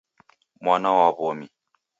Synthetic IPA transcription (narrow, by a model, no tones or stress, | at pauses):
mʷanawabomi